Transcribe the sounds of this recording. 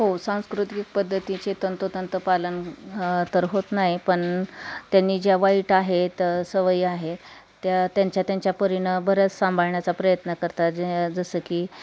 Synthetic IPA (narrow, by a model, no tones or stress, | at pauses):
ɦosãw̃skɾut̪ik̚pəd̪ʱːət̪it͡set̪ənt̪ət̪ənt̪əpalənt̪əɾɦot̪naɦipəɳt̪janːiːd͡ʑjaʋaiʈaɦet̪səʋəiːaɦe | t̪jat̪jaɲt͡ɕjat̪jaɲt͡ɕjapəɾinəbəɾət͡ssãmbʱaɭɳjat͡sapɾəjət̪nəkəɾt̪ad͡ʑd͡zəsəːkiː